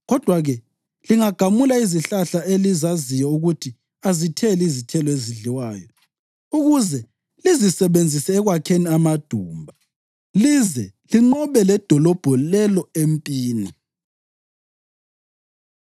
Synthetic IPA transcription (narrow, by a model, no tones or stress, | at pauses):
ɣɔd̥ʱwaɣɛ | liŋaɡ̥ʱamulaiziɬaɬaelizazijɔuɣutʰi | azitʰɛlizitʰɛlɔeziɮiwaːjɔ | uɣuzɛ | lizisɛβend͡zʱisɛːɣwakʰeniamad̥ʱuːmbʱa | lizɛliŋ͡ǃɔβɛlɛd̥ʱɔlɔb̥ʱɔlɛlɔempʼiːni